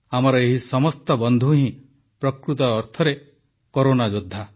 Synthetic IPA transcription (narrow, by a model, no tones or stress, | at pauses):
amɔɾɔeɦisɔmɔst̪ɔbɔnd̪ʱuɦĩ | pɾɔkɾut̪ɔːɾt̪ʰɔɾe | koɾonad͡ʒod̪ʱːa